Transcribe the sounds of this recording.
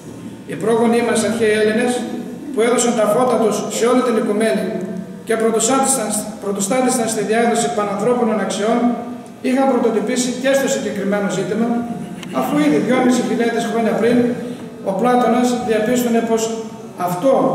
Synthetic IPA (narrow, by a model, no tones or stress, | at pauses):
ipɾo̞ɣo̞nimɐsɐçeieline̞s | pue̞ðo̞sɐnt̪ɐpo̞t̪ɐt̪usːe̞o̞lit̪inikume̞ni | ce̞ | pɾot̪ost̪ɐt̪isɐnst̪iðiɐɣɾesipɐnɐnθɾo̞pino̞nɐksio̞n | ixɐmpɾot̪o̞t̪opisice̞st̪o̞siɲɟe̞kɾime̞no̞zit̪imɐ | ɐfuiðiðʝo̞misiçiʎɐt̪isxɾo̞ɲɐpɾin | o̞plɐt̪o̞nɐzðiɐpist̪one̞po̞s | ɐft̪o̞